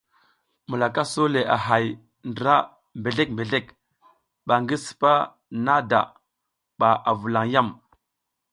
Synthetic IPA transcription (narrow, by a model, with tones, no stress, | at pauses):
mu˨la˨ka˦so˦le˨ʔa̰˨ɦa˨j | ndə˨ɾa˦ | mbe˨ɮe˦k̚mbe˨ɮe˦k | ɓa˨ŋɡi˦sə̥˨pa˦ | na˦da̰˨ | ɓa˨ʔa˨vu˨la˨ŋja˦˨m